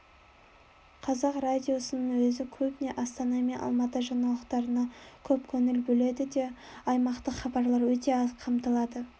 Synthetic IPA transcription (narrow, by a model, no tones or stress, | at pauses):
qʰɑzɑqrad̪ʲijo̞sənəɴwɵzɪkʲʰɵbɪne̞ʔɑst̪ɑnɑmenʔɑ̰lˠmɑt̪əʒɑnɑlˠəqt̪ɑɾənɑkʲʰɵpkʲʰɵŋɪlbɵle̞d̪ɪd̪e̞ | ɑjmɑqt̪əχɑbɑɾlˠɑɾwɵt̪e̞ɑsqʰɑmt̪əlˠɑd̪ə